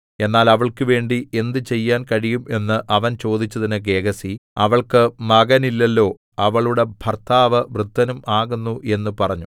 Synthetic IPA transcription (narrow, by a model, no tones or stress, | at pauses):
e̞nːaːlɐʋɐɭkɨʋe̞ːɳɖie̞nd̪ɨt͡ɕe̞jːaːnkɐɻijume̞nːɨʔɐʋɐnt͡ɕo̞ːd̪it͡ɕːɐðinɨɡe̞ːɡɐsiɐʋɐɭkɨmɐɣɐnilːelːo̞ː | ɐʋɐɭuɽe̞b̥ʱɐrt̪aːʋɐʋrɨd̪ʱːɐnumʔaːɣunːuʔe̞nːupɐrɐɲːu